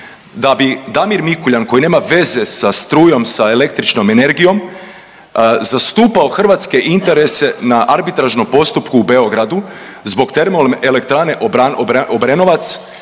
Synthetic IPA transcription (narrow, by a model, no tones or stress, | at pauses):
d̪abid̪amiɾmikuʎanko̞jine̞ːmaʋe̞ze̞sast̪ɾuːjo̞msaele̞kt̪ɾit͡ʃno̞me̞ne̞ɾɡijo̞m | zast̪uːpao̞xr̩ʋat̪ske̞ʔint̪e̞ɾe̞se̞naʔaɾbit̪ɾaʒno̞mpo̞st̪upkuːbe̞o̞ɡɾad̪u | zbo̞ɡt̪e̞ɾmolmelek̚t̪ɾane̞ʔaoobɾeno̞ʋat̪s